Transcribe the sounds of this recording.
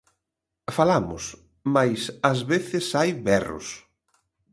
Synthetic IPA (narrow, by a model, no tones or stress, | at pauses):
falamʊ̰s | majsazβeθɪsajβɛrʊ̰s